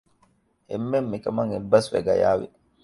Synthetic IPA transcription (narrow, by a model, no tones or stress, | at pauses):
hɪ̰mːɛmːɪkʼɐmɐŋɪlbɐsfɛ̰ɡɐ̰ja̰ːwɪ